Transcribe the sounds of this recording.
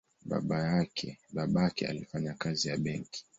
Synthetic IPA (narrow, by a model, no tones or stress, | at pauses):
ɓa̰ɓajakʰɛ̰ɓaɓakɛa̰lifaɲakazijaɓɛŋki̥